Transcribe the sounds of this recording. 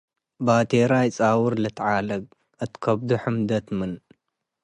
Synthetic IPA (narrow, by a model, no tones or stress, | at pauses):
bat̪ʰeɾajt͡sʼawʊɾlɐt̪ʰʕalɐɡ̚ | ɨt̪kʰɐbd̪uħɨmd̪ɐt̪mɨn